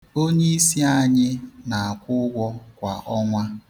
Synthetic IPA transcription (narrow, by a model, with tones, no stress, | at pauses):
o˦ɲe˦i˦si˦a˦ɲɪ˦na˨a˨kʷʊ˦ɡʷɔ˦kʷa˨ʔɔ˦ŋʷa˦